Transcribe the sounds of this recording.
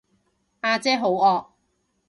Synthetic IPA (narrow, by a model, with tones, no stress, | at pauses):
ʔaː˧t͡sɛː˥ɦo˨˥wɔː˧k̚